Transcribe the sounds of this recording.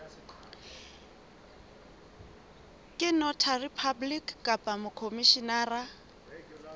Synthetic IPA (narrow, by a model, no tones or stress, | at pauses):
kʼɪnɔtʰaripʰablikkʼapʼamʊkʰomiʃinaːra